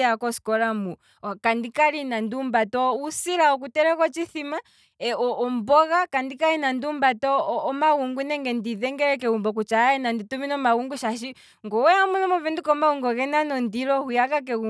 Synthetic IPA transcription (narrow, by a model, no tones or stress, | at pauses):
akɔskɔɾamu | kandikaɾinandumbatɔusiɾaɔk̬utɛɾɛkɔt͡ʃiθima | ɛɔʔɔmbɔɣakandikaɾinandumbatɔːmaɣuŋɡunɛŋɡɛndiðɛŋɡɛɾɛk̬ɛumbɔk̬ut͡ʃaɛnandituminɔmaɣuŋɡuʃaʃ̬i | ŋɡɔwɛamunɔmɔvɛndikɔmaɣuŋɡɔɣɛnanɔndiɾɔhujakak̬ɛu